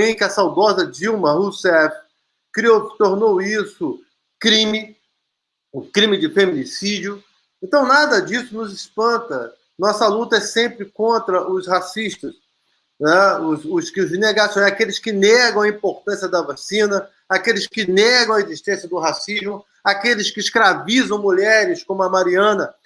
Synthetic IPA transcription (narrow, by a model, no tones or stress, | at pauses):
ẽj̃kɪɐsawd̪ɔzɐd͡ʒiwmɐɦusɛf | kɾiowsɪ̥t̪oɾnowisʊ | kɾĩmɪ | ũkɾĩmɪd͡ʒɪfemĩnisid͡ʒiʊ | ẽnt̪ɐ̃w̃nad̪ɐd͡ʒisʊnʊzɪspɐ̃nt̪ɐ | nɔsɐlut̪ɐɛsẽmpɾɪkõnt̪ɾɐʔʊshasiʃt̪ɐs | nɛʊsʊskɪʊzneɡasɐ̃w̃ɛakelɪskɪnɛɡɐ̃w̃ɐĩpoɾt̪ɐ̃sjɐd̪ɐvasĩnɐ | akelɪskɪnɛɡɐ̃w̃ɐeziʃt̪ẽsjɐd̪ʊɦasizmʊ | akelɪskɪiskɾavizɐ̃w̃muʎɛɾɪskõmʊɐmaɾiɐ̃nɐ